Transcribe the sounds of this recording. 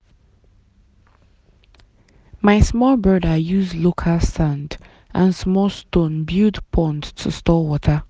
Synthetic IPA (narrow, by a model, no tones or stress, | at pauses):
maɪsmɔlbɜdəjuzlokʰəsãnd | ʔə̃nsmɔlˠstõnbjudpʰɔ̃ndtʰəstɔwɔtʰə